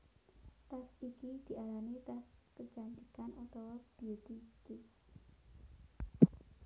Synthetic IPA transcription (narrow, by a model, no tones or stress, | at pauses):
t̪asikid̪̥i̤ʔalanit̪askəd͡ʒant̪ikanʔat̪awab̥it̪it͡ʃɪs